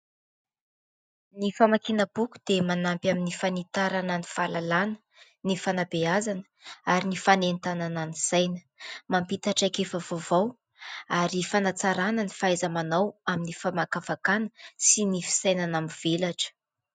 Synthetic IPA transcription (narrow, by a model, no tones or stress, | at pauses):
nifamakinəb̥uku̥d̪emanampjaminifanit̪aɾananiv̥alalanə̥ | nifanabeazanə̥aɾinifanent̪anananisajnə̥ | mampit̪aʈ͡ʂakefəvovaw | aɾifanat͡saɾanənifaajzamanawaminifamakafakanəsinifi̥sajnanaminv̥elaʈ͡ʂə̥